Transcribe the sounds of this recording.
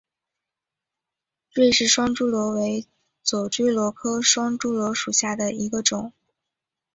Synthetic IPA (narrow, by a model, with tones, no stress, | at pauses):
ɻe˥˧ɪʂɻ̩˥˩ʂwɑ˥ŋʈ͡ʂu˥lwɔ˧˥we˧˥ɪ | t͡swɔ˨˩ʈ͡ʂy˥lwɔ˧˥kʰɤ˥ʂwɑ˥ŋʈ͡ʂu˥lwɔ˧˥ʂu˨˩ɕja˥˩d̪ə˩i˧˥ɡə˧ʈ͡ʂʊ˨˩˦ŋ